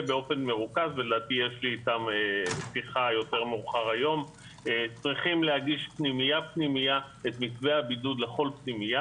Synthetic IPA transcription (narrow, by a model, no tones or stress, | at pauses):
beo̞fe̞nme̞ʁukazveled̪aːt̪ijeʃliːt̪amesiχajo̞te̞ʁmuχaʁajo̞m | t͡sʁiχimlehaɡiʃpnimijapnimija | et̪mikveabidud̪le̞χo̞lpnimija